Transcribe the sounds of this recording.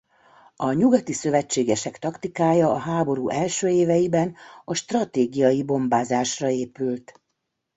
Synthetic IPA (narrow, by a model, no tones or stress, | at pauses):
ɒɲuɡɒt̪isø̞vɛt͡ʃːeːɡɛʃɛkt̪ɒkt̪ikaːjɒːɦaːbo̞ɾuːʔɛlʃøːeːvɛjibɛnɒʃt̪rɒt̪eːɡijɒjibo̞mbaːzaːʃrɒeːpylt̪